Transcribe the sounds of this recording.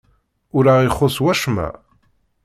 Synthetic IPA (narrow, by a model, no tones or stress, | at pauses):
ʊɾaʁiχːoswæʃmæ̰